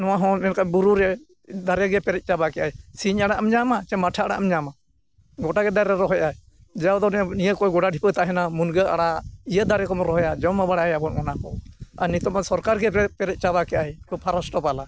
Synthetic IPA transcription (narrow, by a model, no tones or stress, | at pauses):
nɔwaɦɔ̃mɛnkabuɾuɾɛ | d̪aɾɛɡɛpɛɾɛt̪̚ˀt͡ʃabakɛʔajsiɲaɽaʔamɲamat͡ʃɛmaʈʰaaɽa̰ʔmɲama | ɡɔʈaɡɛd̪aɾɛɾɔɦɔja | d͡ʒɛawd̪ɔnɛnijəkɔjɡɔɽaɖʱipət̪aʔɦɛnamunɡəaɽaijəd̪aɾɛkɔmɔɾɔɦɔjad͡ʒɔmabaɽajabɔn̚ɔnakɔanit̪ɔmasɔɾkaɾɡɛɛpɛɾɛt̪̚ˀt͡ʃaβakɛʔajkɔpʰaɾasʈɔpala